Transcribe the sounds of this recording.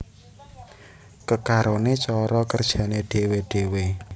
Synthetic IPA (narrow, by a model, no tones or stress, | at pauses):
kəkaɾonet͡ʃɔɾɔkərd̥ʒ̥a̤neɖ̥e̤weɖ̥e̤we